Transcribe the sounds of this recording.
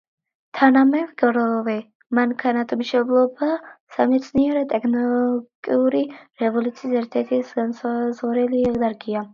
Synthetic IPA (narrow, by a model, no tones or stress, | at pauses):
t̪ʰanamɛvɡɾɔvɛ | maŋkʰanat̪ʰɔmiʃɛblˠɔbasamɛt̪sʰniɛɾɛt̪ʼɛkʰnɔlɡʼiuɾiɾɛvɔlut̪sʰiːsɛɾt̪ʰɛɾt̪ʰisanszɔɾɛliɛd̪aɾɡia